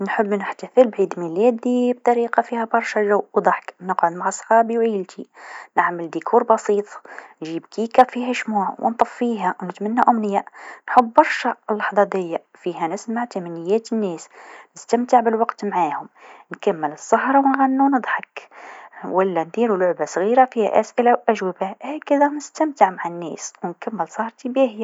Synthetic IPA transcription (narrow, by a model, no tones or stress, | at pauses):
nħəbːnəħt̪afəlbʕiːd̪milæːd̪ib̚t̪ˤɑɾiːqɑfihæbɑɾˤʃæʒawʔwd̪ˤɑħknəqʕʊd̪maʕɑsˤxɑːbiwʕiːlt̪ʰinəʕməld̪ikʰuːɾbɑsiːt̪ˤnʒibkikæfiɦæʃmuːʕwə̰nt̪ˤɑfːiɦæwnət̪mænːæʔʊmnəjːæʔnħʊbːɑɾˤʃælːɑħðˤɑd̪ɪjːa | fihænəsmaʕt̪æmænəjːæt̪ənːæsnəst̪æmt̪əʕbəlwɑqt̪maʕahʊmnkæmːələsˤːɑhɾˤɑwnɣænːunəd̪ˤħɑk | wəlːænd̪iɾulʊʕbasˤɣiɾafihæ̰ʔæsʔəlaʔæʒwəbæhækːəd̪ænəst̪æmt̪əʕmaʕanːæ̰swnkæmːəlsˤɑhɾˤt̪ibihj